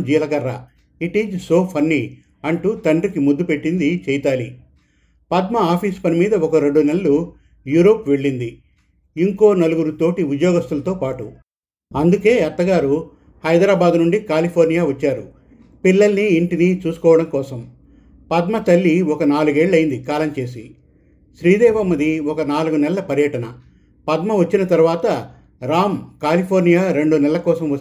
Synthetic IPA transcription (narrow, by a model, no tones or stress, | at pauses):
d͡ʒiːlɐɡɐɾːɐ | iʈiːd͡ʒso̞ːpʰɐnːi | ɐɳʈuːt̪ɐɳɖrikimud̪ːupe̞ʈːind̪it͡ʃɛjt̪aːli | pɐd̪mɐaːpʰiːspɐnimiːd̪ɐɔkɐɾe̞ɳɖuneɭːu | juːɾoːpʋe̞ɭːind̪i | iŋko̞ːnɐluɡuɾut̪o̞ːʈiud̪jɔːɡɐst̪ulɐt̪oːpaːʈṵ | ɐnd̪uke̞ːɛt̪ːɐɡaːɾu | hɐjd̪ɾaːbaːd̪nuɳɖikaːlipʰoːɾnijaːʋɐt͡ʃːaːɾu | pilːɐlniːɳʈinit͡ʃuːsu̥kɔːʋɐɽɐmkɔːsɐm | pɐd̪mɐt̪ɐlːiɔkɐnaːluɡe̞ːɭːɐjind̪ikaːlɐmt͡ʃe̞ːs̬i | ʃɾiːd̪ɛːʋɐmɐd̪iɔkɐnaːluɡunɛlɐːɐpɐɾjɐʈɐnɐ | pɐd̪mɐʋɐt͡ʃːinɐt̪ɐɾuʋaːt̪ɐ | ɾaːmkaːlipʰoːɾnijaːɾe̞ɳɖunɛlːɐkɔːsɐmɐ